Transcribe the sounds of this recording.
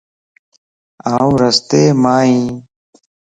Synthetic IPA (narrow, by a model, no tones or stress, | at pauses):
aːũːɾəst̪eːmaːɦĩː